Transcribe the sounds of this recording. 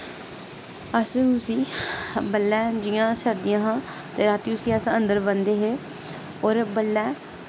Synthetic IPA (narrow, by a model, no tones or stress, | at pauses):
əsʊsiːbəlːɛːd͡ʒijãːsəɾd̪ijãːɦãː | t̪eːɾaːt̪iːʊsiːəsə̃nd̪əɾbənd̪eːɦeː | ɔːɾbəlːɛː